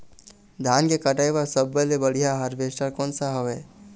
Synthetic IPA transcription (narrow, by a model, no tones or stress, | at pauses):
d̪ʱaːnkekəʈajʋaɾsəbːəlebəɽ̤ijaɦəɾʋeːsʈaɾkɔːnsaɦoʋeː